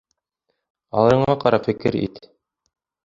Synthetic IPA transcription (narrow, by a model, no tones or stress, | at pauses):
ɑ̰lˠɤ̆ɾɤ̆ɴɑqɑɾɑpfɘ̆kɘɾḭt̪